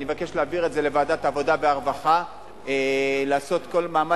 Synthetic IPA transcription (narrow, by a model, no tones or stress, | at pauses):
nivake̞ʃleaviʁe̞tze̞le̞vaːdat̪avo̞dabeaʁvaχa | elaːso̞t̪ko̞lmaːma